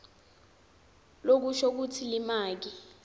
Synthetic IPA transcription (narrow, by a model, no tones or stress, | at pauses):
lok̬uʃok̬utʰilimaːk̬i